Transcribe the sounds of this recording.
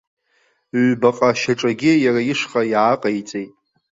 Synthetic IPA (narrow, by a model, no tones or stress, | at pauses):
baqʼaʃaʈ͡ʂʼaɡʲɪjaɾajiʂχʼajaːqʼajt͡sʼejtʼ